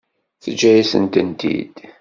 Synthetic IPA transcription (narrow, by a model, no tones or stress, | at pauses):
θəd͡ʒːæjisə̰nt̪ənt̪ḭd̪̥